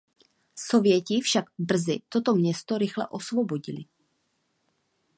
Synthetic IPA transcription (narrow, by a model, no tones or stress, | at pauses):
so̞vjɛcɪfʃaɡbr̩zɪ̰t̪o̞t̪o̞mɲɛst̪o̞ɾɪxlɛ̰ʔo̞svobo̞ɟɪlɪ